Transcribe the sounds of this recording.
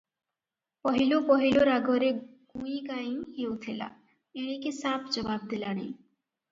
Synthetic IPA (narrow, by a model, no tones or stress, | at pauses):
pɔɦilopɔɦiloɾaɡoɾeɡ̥uj̃kajiŋhewt̪ʰila̰ | eɽ̃ikesapʰd͡ʒɔbab̚d̪ilaɽ̃i